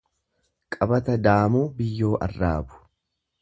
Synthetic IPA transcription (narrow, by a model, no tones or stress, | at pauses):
kʼɐbɐt̪ɐd̪aːmuːbɪjːo̞ːʔɐ̰rːaːbʊ̥